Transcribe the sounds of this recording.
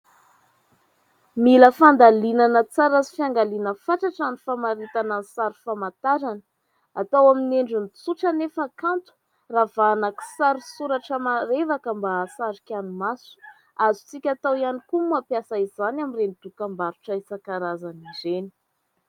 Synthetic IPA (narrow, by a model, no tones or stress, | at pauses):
miləfand̪alinanət͡saɾazi̥fiaŋɡalinəfaʈ͡ʂaʈ͡ʂanifamaɾit̪anansaɾi̥famat̪aɾanə̥ | at̪awamineɳɖ͡ʐunit͡suʈ͡ʂanefəakant̪u̥ | ravanaki̥saɾisuɾaʈ͡ʂəmaɾevakambaːsaɾikʲanumasu̥ | azu̥t͡sikʲat̪awianikumuapjasaizanamirenid̪̥ukambaɾuʈ͡ʂaisakaɾazanizeni̥